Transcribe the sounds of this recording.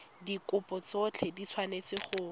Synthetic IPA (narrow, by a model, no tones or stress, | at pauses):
dikʊpʼɔt͡sɔt͡ɬʰedit͡sʰwanet͡sɪχʊ